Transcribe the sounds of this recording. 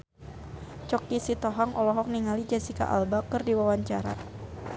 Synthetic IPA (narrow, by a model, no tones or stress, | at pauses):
t͡ʃɔkisit̪ɔɦaŋʔɔlɔɦɔk̚niŋalid͡ʒasika̰ʔa̰lbakɨrdiwawaɲt͡ʃaɾa̰